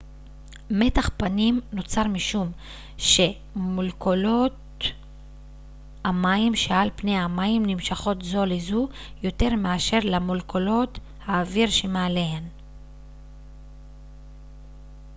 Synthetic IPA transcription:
me̞taχpanimno̞t͡saʁmiʃum | ʃe̞ | mulkolot | amaimʃealpne̞jamaimnimʃaχo̞tzo̞lizu | jo̞te̞ʁmeaʃe̞ʁlamolkʰolo̞t | haːviʁʃemaalehen

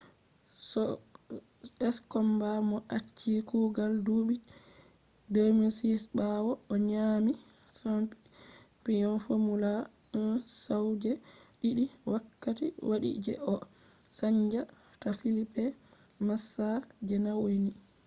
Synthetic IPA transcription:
sɔ | ɛskɔmbamɔʔat͡ʃːikuɡalduɓi | demisisɓawɔɔɲami | sa | pijɔnfomula | nsawd͡ʒɛɗiɗiwakːatiwaɗḭd͡ʒɛ̰ʔɔ | saɲd͡ʒa | tafilipːɛ | masːad͡ʒɛnawojni

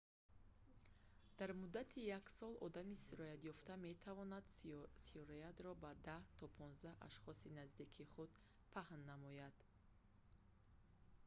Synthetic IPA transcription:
d̪̥aɾmud̪ːat̪ʰijaksɔlɔ̰d̪amisiɾɔjat̪jɔft̪ame̞t̪ʰavɔnad̪siɔɾejat̪ɾɔbad̪aht̪ʰɔpʰɔnzd̪ahʔa̰ʃχɔsinazd̪ikʰiχud̪ | pʰahnːamɔjad̪̥

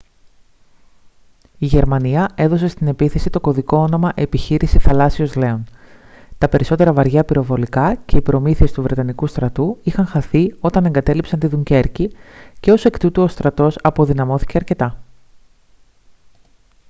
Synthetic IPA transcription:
iʝe̞ɾmɐniɐe̞ðo̞se̞st̪ine̞piθe̞sit̪o̞ko̞ðiko̞ono̞mɐʔe̞piçiɾisiθɐlɐsio̞zle̞on | t̪ɐpe̞ɾiso̞t̪e̞ɾɐvɐɾʝɐpiɾo̞vo̞likɐce̞ipɾo̞miθie̞st̪uvɾe̞t̪ɐnikust̪ɾɐt̪uixɐŋxɐθio̞t̪ɐne̞ŋɡɐt̪e̞lipsɐnt̪iðuɲce̞ɾcice̞o̞se̞kt̪ut̪uo̞st̪ɾɐt̪o̞sɐpo̞ðinɐmo̞θi̥ceɐɾce̞t̪ɐ

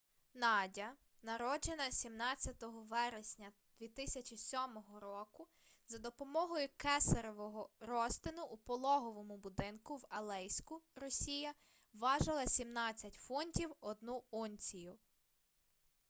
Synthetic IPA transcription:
nɑdʲɐ | nɐɾɔd͡ʒenɐsʲimnɑt͡sʲːɐt̪ɔɦɔʋɛɾesʲnʲɐ | d̪ʲʋʲit̪ɪsʲɐt͡ʃʲisʲɔmɔɦɔɾɔkʊ | zɐd̪ɔpɔmɔɦɔjʊkɛsɐɾɔʋɔɦɔɾɔst̪ɪnʊʔupɔlˠɔɦɔʋɔmʊbʊd̪ɪnkʊwɐlˠɛjsʲkʊɾɔsʲijɐ | ʋɑʒɐlˠɐsʲimnɑt͡sʲːɐtʲfɔnʲtʲiwɔd̪nuɔnʲt͡sʲijʊ

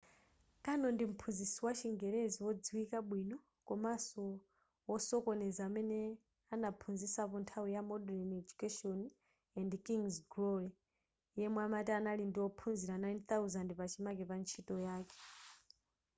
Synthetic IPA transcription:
kʼanɔndim̩pʰunzisiwat͡ʃʰiŋɡɛɾeziwɔd͡ziwikaɓwinɔ | kɔmasɔ | wɔsɔkɔnɛzaːmɛnɛ | anapʰund͡zisapɔntʰawijamɔdɛlned͡ʒukɛʃɔn | ɛndkiŋzɡɾɔlɛ | jɛmwamatɛːnalindiwɔpʰunziɾanajnθauzandpat͡ʃʰimakɛpant͡ʃʰitʼɔjaːkɛ̥

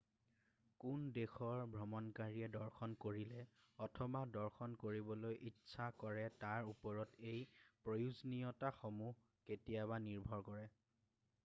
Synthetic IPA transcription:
kundexɔɹbʱɹɔmɔnkaɹiɛdɔɹxʰɔnkoɹilɛɔtʰɔbadɔɹxɔnkoɹibɔlojʔitːsʰakɔɹɛtaɹupɔɹɔtejpɹojuzniɔtaxomuɦ | ketijabaniɹbʱɔɹkɔɹɛ

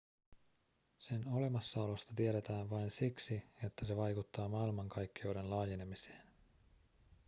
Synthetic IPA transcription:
se̞no̞le̞mɑsːɑolo̞st̪ɑt̪ieɾe̞t̪æːnʋɑjnsiksije̞t̪ːæse̞ʋɑjkut̪ːɑːmɑilmɑŋkɑjkːiowde̞nlɑːje̞ne̞mise̥ːn

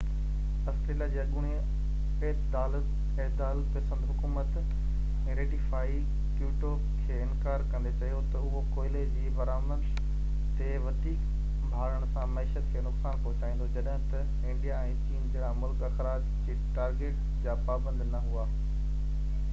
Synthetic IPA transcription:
ɐsʈ̪ɾiːlad͡ʑiːɐɠʊɽ̃i | eːt̪d̪aːlət̪ | ɛːd̪aːlpɐsə̃nd̪ɦʊkuːmət̪ | ɛ̃ːɾeːʈifaːi | kjuːʈoːbkʰeːɪ̃nkaːɾkɐ̃nd̪et͡ɕɐɦijot̪ɐʊɦokoːɪled͡ʑiːbɐɾaːməɾ | t̪eʋɐd̪ʱiːk | bʱaːɾəɽ̃sãmɐɪʃət̪̚kʰeːnʊksaːnpoːt͡ɕaːĩːn̆d̪od͡ʑɐɗɦɪ̃t̪ɐ | ɪ̃ɳɖijaɛ̃ːt͡ɕiːnd͡ʑeɾamʊlkɐxɾaːd͡ʑ | d͡ʑiːʈaːɾɡeːʈ | d͡ʑaːpaːbə̃nd̪nɐɦuaː

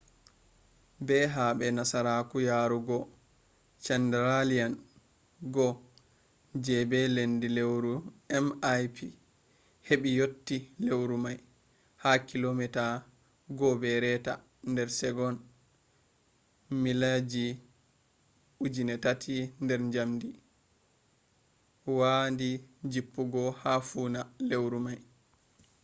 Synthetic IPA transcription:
bɛɦaɓɛnasaɾakujaːɾuɡɔ | t͡ʃɛndɛɾalijan | ɡɔ | d͡ʒɛbɛlendilewɾuɛmajpʰi | heɓijotːilewɾumaj | hakilomɛta | ɡɔbɛɾɛta̰ | ndɛɾsɛɡɔn | milad͡ʒi | ud͡ʒinɛtatʰindɛɾɲd͡ʒamdi | wandid͡ʒipːuɡɔhafuːnalewɾumaj

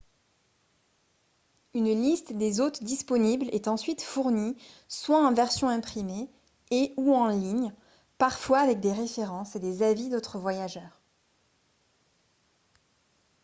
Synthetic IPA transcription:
ynlist̪d̪ezot̪d̪ispɔniblɛt̪ɑ̃sɥit̪fuʁniswaɑ̃vɛʁsjɔ̃ɛ̃pχime | euɑ̃liɲ | paʁfwaːvɛk̚d̪eʁefeʁɑ̃sed̪ezavid̪ot̪χəvwajaʒœːʁ

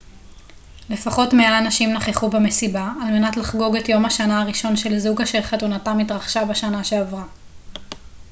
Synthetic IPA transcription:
le̞faχo̞tme̞aːnaʃimnaχeχubeme̞sibaːlme̞natlaχɡo̞ɡetjo̞mhaʃanaːʁiʃo̞nʃe̞lzuɡaʃe̞lχatunatamitʁaχʃabaʃanaʃe̞avʁa

